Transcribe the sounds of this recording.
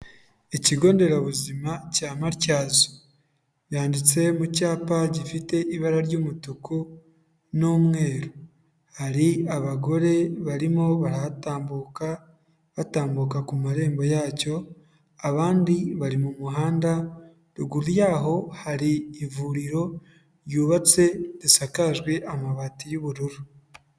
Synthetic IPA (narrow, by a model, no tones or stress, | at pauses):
eciɡo̞ːnde̞ɾaβuzimacaːmaɾcaːzo̥ | βjaːndit͡se̞mucaːpaɟifite̞ʔiβaɾaɾɟoːmutukʰu | noːmŋe̞ːɾo | haɾiaβaɡo̞ɾe̞βaɾimo̞βaɾataːmbuk | βataːmbukakumaɾe̞ːmbo̞jaːco̞ | aβaːndiβaɾimumuɦaːnda | ɾuɡuɾujaːɦo̞haɾiːvuɾiɾo̞ | ɾjuːβat͡se̞ɾisakaʒɡwe̞ʔamaβatijuβuɾuɾu